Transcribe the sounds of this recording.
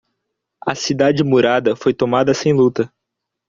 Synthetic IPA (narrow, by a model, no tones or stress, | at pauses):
ɐsid̪ad͡ʒɪmuɾad̪ɐfojt̪omad̪ɐsẽj̃lut̪ɐ